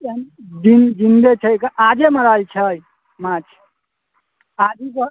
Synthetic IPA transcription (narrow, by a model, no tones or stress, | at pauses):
end͡ʒind͡ʒind̪et͡ʃʰəjkəʔad͡ʒeməɾalt͡ʃʰəj | mat͡ʃʰ | ad͡ʒikə